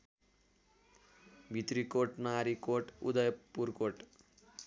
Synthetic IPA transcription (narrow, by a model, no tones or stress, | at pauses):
bʱit̪ɾikoʈnaɾikoʈṵd̪ʌjpuɾkoʈ